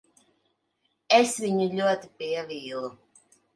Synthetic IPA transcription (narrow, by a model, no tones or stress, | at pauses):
esviɲuʎʲuɔt̪ipiɛviːlˠu